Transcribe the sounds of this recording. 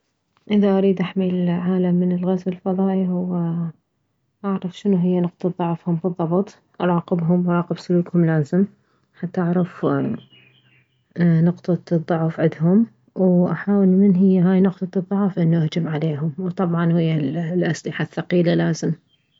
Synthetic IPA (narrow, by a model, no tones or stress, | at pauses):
ʔɪðaʔaɾiːd̪ʔaħmilʕaːlamːɪnɪlɣazwɪlfɑðˤɑːʔiɦʊwːa | ʔaʕɾˤɑfʃɪnuɦɪjːanʊqt̪ˤɑt̪ðˤʊʕfhʊmfiðˤːɑbt̪ˤ | ʔɑɾˤɑːqɪbɦʊmwʔaɾˤɑːqɪbsʊluːkhʊmlaːzɪm | ħat̪ːaʔaʕɾˤɑf | nʊqt̪ˤɑðˤːʊʕfʕɪd̪ɦʊm | wʔaħaːwɪlmɪnɦɪjːaɦaːjnʊqt̪ˤɑðˤːʊʕfʔɪnːuʔahd͡ʒɪmʕaleːɦʊmwt̪ˤɑbʕɑnhɪjːallʔaslɪħaθːɑqiːlalaːzɪm